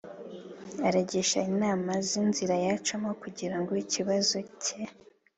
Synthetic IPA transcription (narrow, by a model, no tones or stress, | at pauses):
aɾaɟeʃainaːmazinziɾajat͡ʃomokuɟiɾaŋɡoiciβazo̞cʰe